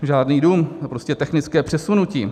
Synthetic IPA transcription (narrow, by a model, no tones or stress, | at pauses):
ʒaːdniːduːmpɾo̞scɛt̪ɛxnɪt͡skɛːpr̥ɛsunuciː